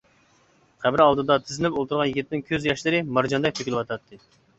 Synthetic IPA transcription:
qʰæbɪɾɑlˠd̪ɨd̪ɑt̪ʰɪzɪnɪpolˠt̪ʰuɾʁɑnjiɡʲit̪ʰːnɪnkʲʰøzjɑʃlˠɨɾɨmɑɾd͡ʒɑnd̪ɛk̚ʲt̪ʰøkʲilɪwɑt̪ʰɑt̪ʰːɨ

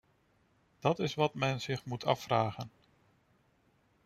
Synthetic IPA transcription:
d̥ɑtɪsʋɑtmɛnz̥ɪχmutʰɑ̰fraːχən

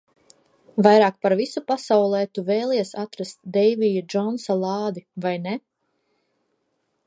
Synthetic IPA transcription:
vajɾɑːk̚paɾvisupasawlˠɛːt̪uvɛːlˠɛɛsat̪ɾast̪d̪ɛjvijud͡ʒɔnsalˠɑːd̪ivajnɛ

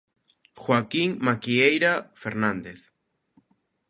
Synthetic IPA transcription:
xwakiŋmakiejɾafeɾnãnd̪eθ

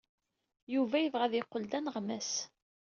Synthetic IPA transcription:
juvæjəvʁæðiqːəld̪ænəʁmæs

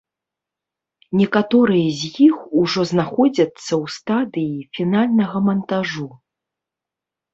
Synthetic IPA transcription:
nʲɛkat̪ɔɾɨjɐzʲjixuʐɔznaxɔd͡zʲɐt̪sːɐwst̪ad̪ɨjifʲinalʲnɐɣɐmɐnt̪aʐu

